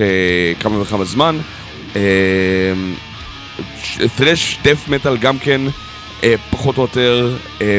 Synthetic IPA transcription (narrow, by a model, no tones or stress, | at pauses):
ekamaveχabazman | em | tʁeʃdefmetalɡamken | epaχotojoteʁ | e